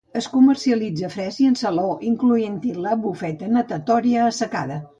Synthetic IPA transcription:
əskuməɾsiəlid͡zəfɾɛziənsəloʔiŋkluent̪iləβufɛt̪ənət̪ət̪ɔɾiəːsəkaðə

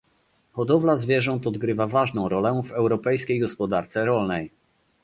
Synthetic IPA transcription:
xɔd̪ɔvlazvʲjɛʐɔnt̪ɔd̪ɡɾɘvavaʐnɔ̃w̃ɾɔlɛvɛwɾɔpɛjskʲejɡɔspɔd̪aɾt̪sɛɾɔlnɛj

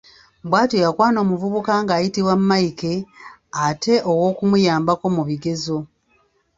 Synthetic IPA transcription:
bwaːtojakwaːno̞ːmuvuβukaŋɡaːjitiwamːaike̞ate̞ʔo̞wo̞ːkumujaːmbako̞muβiɡe̞zo̞

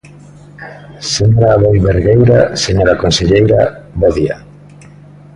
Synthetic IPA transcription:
seɲoɾaːβojβeɾɣejɾaseɲoɾakonseʎejɾaβɔðia̰

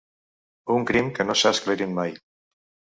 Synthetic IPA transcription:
uŋkɾimkənosaskleɾimmaj

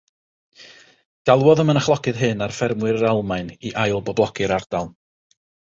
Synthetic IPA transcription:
ɡ̥alˠwɔðəmənaχlˠɔkɨðɦɨnarfɛrmwɨɾəɾalˠmajniʔajlˠbɔblˠɔkʰɨɾard̥alˠ

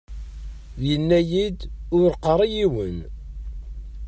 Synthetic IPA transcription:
jənːæjid̪ʊɾqəɾˤijiwən

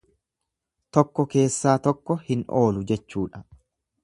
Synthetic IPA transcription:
t̪ɔkːɔke̞ːsːaːt̪ɔkːɔhɪnʔo̞ːlʊd͡ʒɛt͡ʃːuːᶑɐ̥

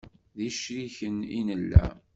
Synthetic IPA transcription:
ðiʃɾiçənḭnəlːæ̰

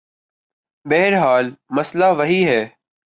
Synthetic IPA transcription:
beɦɾɦaːlməslaːʋəɦiːɦɛː

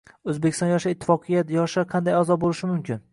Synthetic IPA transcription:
ɵzbekʲɪ̥st̪ɒnjɒʃaɪt̪ʰːɪ̥fɒqʰɨjat̪jɒʃaqʰɑnd̪ajazɒbolɪʃɪmʊmkʲʰɪn

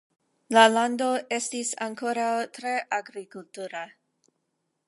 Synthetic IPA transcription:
laland̪o̞ʔestisa̰ŋkoɾawt̪ɾeʔaɡɾikultuɾa

